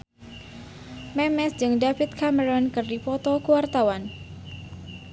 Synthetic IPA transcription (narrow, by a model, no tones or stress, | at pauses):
mɛmɛsd͡ʒɨŋdafit̪̚kʰaməɾɔnkɨrdipɔt̪ɔkuwart̪awan